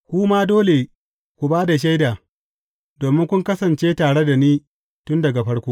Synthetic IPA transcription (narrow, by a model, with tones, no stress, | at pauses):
kʷu˦maː˦doː˦le˨ | kʷu˨baː˦da˨ʃ̬a˦jdaː˨ | doː˨mɪ˦ŋkʷʊ˦ŋkɐ˦sɐ˨nt͡ʃeː˦taː˨ɽe˦da˨niː˦ | tʊ˦ndɐ˨ɡa˨ɸɐ˦ɽkʷoː˦